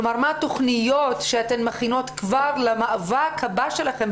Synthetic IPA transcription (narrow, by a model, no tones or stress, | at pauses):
omaʁmat̪o̞χnijo̞tʃeat̪emmaχino̞t̪kvaʁlamaʔavakʰhabaʃelaχem